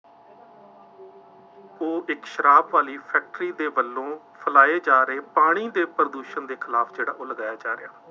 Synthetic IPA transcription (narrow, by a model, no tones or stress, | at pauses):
oːʔɪkʃəɾaːbʋaːliːpʰɛːk̚ʈɾiːd̪eːbəlːõː | pʰəlaːeːd͡ʒaːɾəeːpaːɽ̃iːd̪eːpɾəd̪uːʃənd̪eːkʰɪlaːpʰd͡ʒeːɽa̰ːʔoːləɡaːjaːd͡ʒaːɾɪ̰jaː